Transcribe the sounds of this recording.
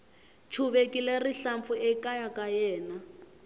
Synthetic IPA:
t͡ʃʰuβekileriɬamp̪fuʔɛkajakajɛːna

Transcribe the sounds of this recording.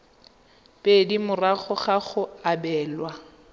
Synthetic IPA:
pʼedimʊraχʊχaχʊabɛːlwa

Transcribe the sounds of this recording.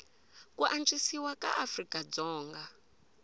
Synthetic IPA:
kuʔant͡ʃʼisiwaka̰ʔafrikʼad͡zɔːŋɡa

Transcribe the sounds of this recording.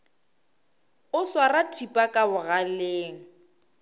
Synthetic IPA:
ʊswaratʰipʼakʼabʊɣaleːŋ̩

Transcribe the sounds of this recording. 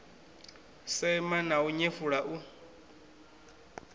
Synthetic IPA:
sɛmanauɲefuɺaʔu

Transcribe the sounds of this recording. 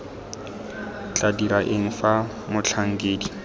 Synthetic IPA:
t͡ɬadiɾaʔɪŋ̩fa | mʊt͡ɬʰaŋ̩kʼeːdi

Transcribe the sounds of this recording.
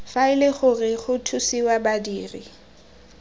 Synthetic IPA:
faɪleχʊrɪχʊtʰusiwabadiːrḭ

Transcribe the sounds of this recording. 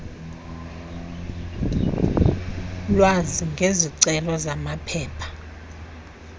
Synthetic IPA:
lwaziŋɡʱeziǀɛlɔzamapʰɛːpʰḁ

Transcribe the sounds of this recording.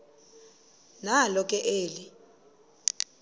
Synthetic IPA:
nalɔkʼɛʔeːli

